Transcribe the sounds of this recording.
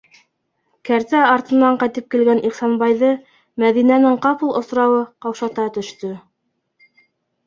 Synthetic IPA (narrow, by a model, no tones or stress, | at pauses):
kæɾt̪æɑɾt̪ɤ̆nːɑɴqɑjt̪ɘp̚kilɡæniχsɑnbɑjðɤ | mæðinænɘŋqɑpɤlˠŏ̰sɾɑwɤqɑwʃɑt̪ɑt̪ɵ̆ʃt̪ɵ